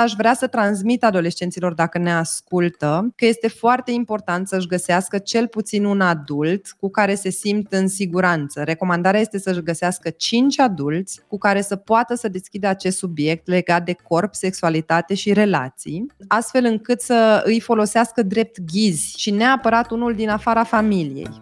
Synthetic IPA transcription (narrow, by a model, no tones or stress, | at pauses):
aʃvɾeasət̪ɾans̬mit̪ad̪o̞le̞st͡ʃe̞nt̪silo̞rd̪akəne̞askult̪əkəje̞st̪e̞foart̪e̞impo̞rt̪ant̪səɨʒɡəseaskət͡ʃe̞lput̪sinunad̪ult̪kukaɾe̞se̞simt̪ɨnsiɡuɾant̪səɾe̞ko̞mand̪aɾeaje̞st̪esəɨʃɡəseaskət͡ʃint͡ʃʲad̪ult̪sʲkukaɾe̞səpoat̪əsəd̪e̞skʲid̪əat͡ʃe̞st̪subje̞k̚t̪le̞ɡat̪̚d̪e̞ko̞rpse̞ksualit̪at̪e̞ʃiɾe̞la̰tt̪sḭjast̪fe̞lɨŋkɨt̪səɨjfo̞lo̞seaskəd̪ɾe̞p̚t̪ɡʲizʲʃineapəɾat̪unuld̪inafaɾafamilijḛj